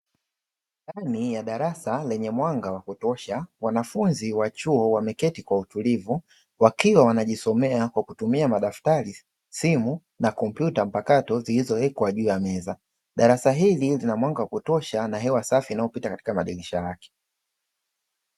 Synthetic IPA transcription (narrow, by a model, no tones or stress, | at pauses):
ndanijaɗaɾasalɛɲɛmwaŋɡawakutɔʃawanafunziwat͡ʃuɔwamɛkɛtikwautulivu | wakiwawanaʄisɔmɛakwakutumiamaɗaftaɾi | simu | nakɔm̩pjutam̩pakatɔzilizɔɛkwaʄuːjamɛza | ɗaɾasaɦililinamwaŋɡawakutɔʃanaɦɛwasafiːnajɔpitakati̥kamaɗiliʃajakɛ̥